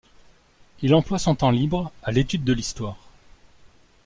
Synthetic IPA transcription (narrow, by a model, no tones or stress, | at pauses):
ilɑ̃plwasɔ̃t̪ɑ̃libʁalet̪yd̪ːəlist̪waːʁ